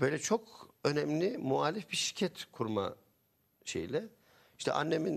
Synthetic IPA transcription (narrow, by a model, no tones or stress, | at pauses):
bø̞jlʲɛt͡ʃʰokønɛmlʲimuaːlʲifbiɾʃiɾcʰɛt̪kʰuɾma̰ | ʃḛjlʲɛ | i̥ʃt̪ʰɛ̰ʔa̰nːemin